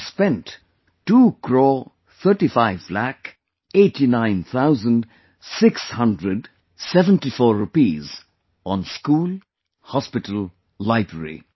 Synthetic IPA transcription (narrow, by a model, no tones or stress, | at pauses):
spɛ̃nʈ | ʈːuːkʰɾɔ | t̪ʰəɾʈifaɪvlæk | eʈinãɪ̃nt̪ʰaʊzə̃nɖ | sɪkshʌ̃ndɾəɖ | sɛvə̃nʈifɔːɾːupiːz | ɔ̃nskuːl | hɔspɪʈəl | lːaɪbɾəɾḭ